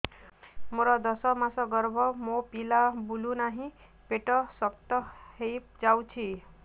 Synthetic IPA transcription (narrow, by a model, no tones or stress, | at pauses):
moɾʌd̪ʌsʌmasʌɡʌɾbʱʌmopilabulunaɦĩ | peʈʌsʌk̚t̪ʌhejp̚d͡ʒawt͡sʰi